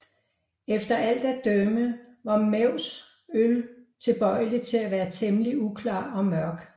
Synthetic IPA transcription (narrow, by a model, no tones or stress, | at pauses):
efd̥ɐʔæl̰d̥æd̥ømə | ʋɑ̈meʊ̰s | ølt͡sʰe̝b̥ɒ̽ɪ̰lit͡sʰe̝læʋæːɐt͡sʰeməliukʰlɑ̰̈ːɒ̽mɶɐɡ̥